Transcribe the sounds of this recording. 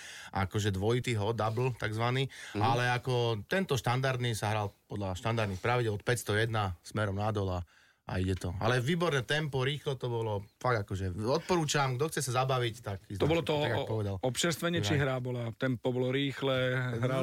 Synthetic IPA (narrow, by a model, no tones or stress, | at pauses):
ʔa̰kɔʒɛd̪ʋɔit̪iːɦɔd̪abl̩t̪aɡzʋaniːalɛakɔt̪ɛnt̪ɔʃt̪and̪aɾd̪nisaɦɾalpɔd̪laʃt̪and̪aɾd̪nixpɾaʋiɟɛlɔt̪pɛcst̪ɔjɛd̪nasmɛɾɔmnad̪ɔla | ʔa̰iɟɛt̪ɔa̰lɛʋiːbɔɾnɛːt̪ɛmpɔɾiːxlɔt̪ɔbɔlɔfaɡ̚d̪akɔʒɛɔt̪̚pɔɾuːt͡ʃamɡd̪ɔxt͡sɛsazabaʋict̪akizɔbɔlɔt̪ɔaɡapɔʋɛd̪alɔpʃɛɾst̪ʋɛɲɛʃiɦɾabɔlat̪ɛmpɔbɔlɔɾiːxlɛɦɾa